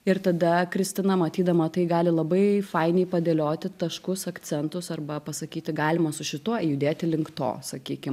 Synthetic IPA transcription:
ɪrt̪ɐd̪ɐkɾʲɪsʲt̪ʲɪnɐmɐt̪ʲiːd̪ɐmɐt̪ɐɪɡɑːlʲɪlˠɐbɐɪfɐɪnʲɛɪpɐd̪ʲeːlʲoːt̪ʲɪt̪ɐʃkʊsɐkt͡ssʲɛnt̪ʊsɐrbɐpɐsɐkʲiːt̪ʲɪɡɑːlʲɪmɐsʊʃʲɪt̪uɔjʊd̪ʲeːt̪ʲɪlʲɪŋkt̪o̰ːsɐkʲiːkʲɪm

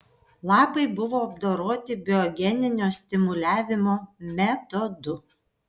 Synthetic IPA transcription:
lˠɑːpɐɪbʊʋoːɐbd̪oːɾoːt̪ʲɪbʲɪɔɡʲɛnʲɪnʲoːsʲt̪ʲɪmʊlʲæːʋʲɪmoːmʲɛt̪ɔd̪ʊ

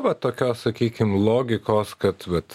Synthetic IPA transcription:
ʋɐt̪oːkʲoːssɐkʲiːkʲɪmlˠoːɡʲɪkoːskɐt̪ʋɐt̪

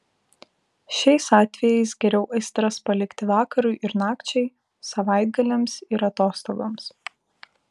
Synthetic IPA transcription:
ʃʲɛɪsɑːt̪ʲʋʲɛjɛɪsɡʲɛɾʲɛʊʔɐɪsʲt̪ɾɐspɐlʲɪkt̪ʲɪʋɑːkɐɾʊɪʔɪɾnɑːkt͡ʃʲɛɪ | sɐʋɐˑɪd̪̚ɡɐlʲɛmsɪɾɐt̪oːst̪oːɡoms

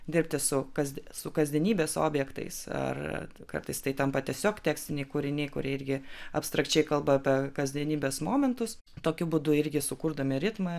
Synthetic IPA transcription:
d̪ʲɪɾʲpʲt̪ʲɪsʊkɐzʲd̪ʲsʊkɐzʲd̪ʲiɛnʲiːbʲeːso̰ːbʲjɛkt̪ɐ̰ɪsɐ̰r̰kɐ̰rt̪ɐɪst̪ɐɪt̪ɐmpɐt̪ʲɛsʲoːkt̪ʲæːksʲt̪ʲɪnʲɛɪkʊɾʲɪnʲɛɪkʊɾʲiɛɪɾʲɡʲɪɐpst̪ɾɐkt͡ʃʲɛɪkɐlˠbɐpʲɛkɐzʲd̪ʲɛnʲiːbʲeːsmoːmʲɛnt̪ʊs | t̪oːkʲʊbʊd̪ʊɪɾʲɡʲɪsʊkʊrd̪omʲɪɾʲɪt̪mɐ

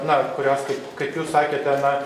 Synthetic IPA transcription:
nɐkʊɾʲoːskɐɪpkɐɪpjuːssɑːkʲeːt̪ʲɛnɐ

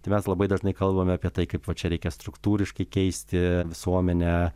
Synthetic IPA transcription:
t̪ɐɪmʲɛslˠɐbɐɪd̪ɐʒnɐɪkɐlˠbɐmʲɛɐːpʲiɛt̪ɐɪkɐɪpʋɐt͡ʃʲɛɾʲɛɪkʲɛst̪ɾʊkt̪uːɾʲɪʃkɐɪkʲɛɪsʲt̪ʲɪʋʲɪsuɔmʲɛnʲɛ

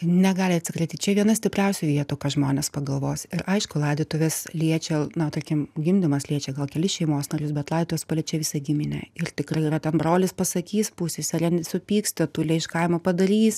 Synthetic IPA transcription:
nʲɛɡɑːlʲɪɐtʲsʲɪkɾʲɛɪt̪ʲɪt͡ʃʲɛʋʲiɛnɐsʲt̪ʲɪpʲrʲɛʊsʲʊʋʲiɛt̪uːkɑːʒmoːnʲɛspɐɡɐlˠʋoːsɪɾʔɐɪʃkʊlˠɑːd̪ʲɪt̪oʋʲeslʲiɛt͡ʃʲɛnɐt̪ɐrʲkʲɪmɡʲɪmʲd̪ʲɪmɐslʲiɛt͡ʃʲɛɡɐlˠkʲɛlʲɪʃʲɛɪmoːsnɐɾʲʊsbʲɛt̪lˠɑːd̪ʲːt̪oːʋʲɛspɐlʲiːt͡ʃʲɛʋʲɪːsɐɡʲɪmʲɪnʲɛ̰ɪrt̪ʲɪkrɐɪiːrɐt̪ʲɛnbroːlʲɪspɐsɐkʲiːspusʲesʲɐɾʲɛnʲsʊpʲiːksʲt̪ʲɪt̪ʊlʲɛɪʃkɐɪmɐpɐd̪ɐɾʲiːs

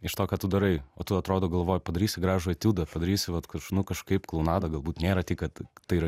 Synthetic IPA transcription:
ɪʃt̪oːkɑːt̪ʊd̪ɐɾɐɪoːt̪ʊɐt̪ɾoːd̪oːɡɐlˠʋoːjpɐd̪ɐɾʲiːsʲɪɡɾɑːʒoɐt̪ʲuːd̪ɐpɐd̪ɐɾʲiːsʲɪʋɐt̪kɐʃnʊkɐʃkɐɪpklˠɐʊnɑːd̪ɐɡɐlˠbuːt̪nʲeːɾɐtʲiːkɐt̪t̪ɐɪɾɐ

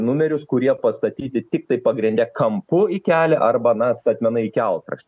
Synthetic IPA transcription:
nʊmʲɛɾʲʊskʊɾʲiɛpɐst̪ɐt̪ʲiːt̪ʲɪt̪ʲɪk̚t̪ɐɪpɐɡɾʲɪnʲd̪ʲɛkɐmpʊɪkʲæːlʲɛʔɐrbɐnɐst̪ɐt̪ʲmʲɛnɐɪkʲɛlˠkɾɐ̰ʃʲt̪ʲɪ

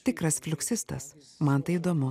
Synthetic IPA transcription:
t̪ʲɪkɾɐsfʲlʲʊksʲɪst̪ɐs | mɐnt̪ɐɪid̪oːmʊ

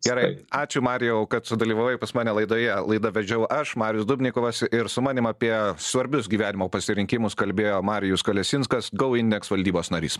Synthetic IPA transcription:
ɡʲɛɾɐɪɑːt͡ʃʲʊmɑːɾʲɪjɛʊkɐt̪sʊd̪ɐlʲiːʋɐʋːjɛpɐsmɑːnʲɛlˠɐɪd̪oːjɛlˠɐɪd̪ɐʋʲɛd͡ʒʲɛʊʔɐʃmɑːɾʲɪjʊsd̪ʊbʲnʲɪkoːʋɐsɪɾsʊmɑːnʲɪmɐpʲiɛsʋɐɾʲbʲʊsɡʲiːʋʲæːnʲɪmoːpɐsʲɪɾʲɪŋʲkʲɪmʊskɐlʲbʲeːjoːmɑːɾʲɪjʊskɐlʲɛsʲɪnskɐsɡɐʊɪnʲd̪ʲɛksʋɐlʲd̪ʲiːboːsnɐɾʲḭːs

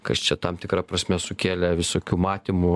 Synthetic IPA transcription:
kɐst͡ʃʲɛt̪ɐmt̪ʲɪkɾɑpɾɐsʲmʲɛsʊkʲeːlʲɛʋʲɪsoːkʲuːmɑːt̪ʲɪmʊ

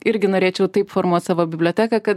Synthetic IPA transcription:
ɪɾʲɡʲɪnoːɾʲeːt͡ʃʲɛʊt̪ɐɪpfoːɾmuɔt̪ʲsɑːʋoːbʲɪbʲlʲoːt̪ʲæːkɐkɐt̪

